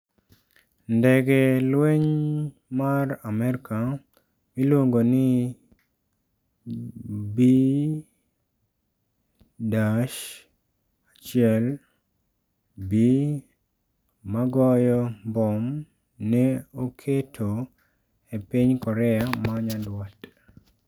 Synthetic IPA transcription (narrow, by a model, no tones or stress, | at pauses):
ndɛɡelweɲ | maramɛɾka | milwoŋɡonɪ | bi | daʃ | at͡ʃɪɛl | bi | maɡɔjɔmbɔm | nɛokʰetʰo | epiɲkɔɾɛamaɲadwat